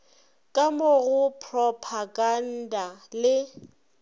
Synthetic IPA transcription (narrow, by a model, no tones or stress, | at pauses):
kʼamʊɣʊpʰrɔpʰaɡan̩dalɪ